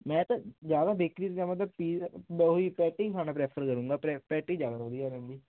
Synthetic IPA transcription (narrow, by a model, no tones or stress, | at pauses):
mɛ̃ːt̪ãd͡ʒjaːd̪aːbeːkɾiːt̪ːãːmət̪ləbpiːɦoiːpɛːʈiːt̪ʊaːnãːpɾɛːpʰəɾkəɾũːŋɡaːpɛpɛːʈiːd͡ʒjaːd̪aːʋəd̪ijaːɾə̃nd̪iː